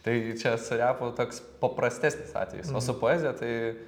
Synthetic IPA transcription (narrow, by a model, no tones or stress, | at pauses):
t̪ɐɪt͡ʃʲɛsʊɾʲæːpoːt̪oːks | pɐpɾɐsʲt̪ʲæːsʲnʲɪsɑ̰ːt̪ʲʋʲɛ̰jɪsoːsʊpoːɛːzʲɪjɛt̪ɐɪ